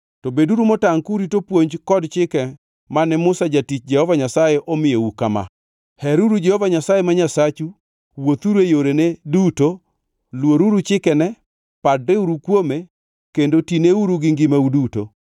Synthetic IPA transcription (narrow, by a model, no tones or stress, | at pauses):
tobeduɾumɔtaŋkuɾitopwoɲd͡ʒkɔdt͡ʃɪkɛ | manɛmʊsad͡ʒatit͡ʃd͡ʒɛhɔvaɲasajeʔɔmɪjoukama̰ | hɛɾuɾud͡ʒɛhɔvaɲasajemaɲasat͡ʃu | wot̪uɾejoɾeneduto | lwoɾuɾut͡ʃɪkɛnɛ | padɾeuɾukwome | kendotineuɾuɡɪŋɡɪmauduto̰